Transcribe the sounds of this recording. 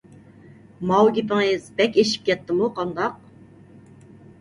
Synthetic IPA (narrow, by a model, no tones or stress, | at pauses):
mɑwɡʲipɪŋezbɛkʲeʃi̥p̚kʲʰɛt̪ʰːɪmuqʰɑnd̪ɑq̚